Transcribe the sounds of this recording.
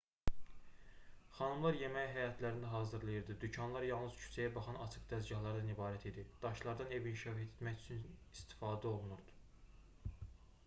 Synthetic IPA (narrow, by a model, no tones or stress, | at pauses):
χɑnɯmlˠɑɾje̞mæjɦæjɑt̪ʰlæɾind̪æɦɑːzɯɾlˠɑjɯɾd̪ɯd̪ycʰɑnlˠɑɾjɑlˠnɯz̥cʰy̥sæjæbɑχɑnɑt͡ʃʰɯqd̪æzɟɑɦlˠɑɾd̪ænibɑːɾæt̪ʰid̪id̪̥ɑʃlˠɑɾd̪ɑne̞vinʃɑæt̪ʰe̥t̪mæcyt͡ʃʰynist̪i̥fɑːd̪æo̞lˠunuɾd̪̥u̥